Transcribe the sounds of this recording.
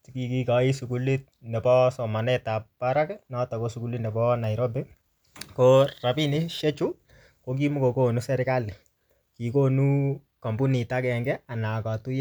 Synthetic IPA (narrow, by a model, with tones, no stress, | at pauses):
tiki˨ki˦ka˨i˦su˨ku˦li˦t̚nɛ˨pɔ˦sɔ˨ma˨nɛ˦ta˨ppa˦ɾa˦kɛnɔ˦ta˨ko˦su˨ku˦li˦nɛ˨bɔ˦na˨jɾo˦bɪ˦ | kora˨pi˦ni˦ʃɛ˦t͡ʃu˦ | ko˦k̬i˦mu˦ko˨ko˦nu˦sɛɾɪ˦kali˨ | ki˨ko˦nu˦ | ka˨mbu˦ni˨ta˦kɛ˨ŋɡɛ˦a˨na˨ka˨tu˦ja˦